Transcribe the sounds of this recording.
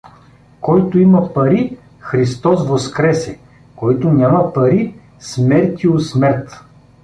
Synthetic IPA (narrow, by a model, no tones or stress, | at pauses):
kɔjt̪ʊimɐpɐɾi | xɾist̪ɔsvoskɾɛsɛ | kɔjt̪ʊnʲamɐpɐɾi | smɛɾt̪ʲiosmɛɾt̪